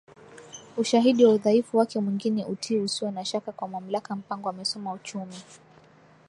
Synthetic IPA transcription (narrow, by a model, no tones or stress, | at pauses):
uʃaɦiɗiwauðaifuwakɛmwiŋɡinɛʔutʰiːusiwɛnaʃakakwamam̩lakam̩paŋɡɔamɛsɔmaut͡ʃumi